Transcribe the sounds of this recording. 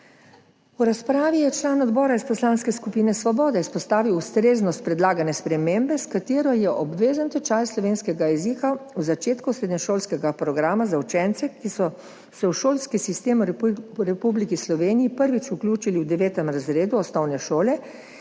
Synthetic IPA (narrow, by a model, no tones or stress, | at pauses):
uɾaspɾaːʋijɛt͡ʃlaːnɔd̪bɔːɾaispɔslaːnskɛskupiːnɛsʋɔbɔːd̪ɛispɔst̪aːʋiwust̪ɾeːznɔst̪̚pɾɛd̪laːɡanɛspɾɛmembɛskat̪eːɾɔjɛʔɔbʋeːzənt̪ɛt͡ʃajslɔʋeːnskɛɡajɛzikauzat͡ʃeːt̪kusɾeːd̪nɛʃoːlskɛɡapɾɔɡɾaːmazawt͡ʃɛnt̪sɛkisɔ | sɛwʃoːlskisist̪eːmuɾɛpublikislɔʋeːnijipəɾʋit͡ʃuklʲuːt͡ʃiliwd̪ɛʋeːt̪ɛmɾazɾeːd̪uɔsnɔwnɛʃoːlɛ